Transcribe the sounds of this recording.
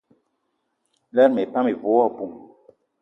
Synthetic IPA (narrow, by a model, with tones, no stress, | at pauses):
lɛ˦ɾme˨ta˦me˨vo˨wɔ˦˨bu˨m